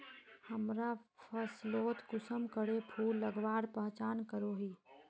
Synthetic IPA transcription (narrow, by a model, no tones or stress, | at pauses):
həmɾapʰəsloːt̪kʊsəmkəɽepʰuːlːəɡʋaːɾpəɦt͡ʃaːnkəɾoːɦiː